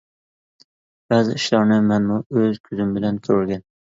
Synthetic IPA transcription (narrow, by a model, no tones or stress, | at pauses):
b̥azɪɪʃlɒɾnɪmanmʊɵzkʲʰʊzɪmbɪlankʲʰɵɾɡʲan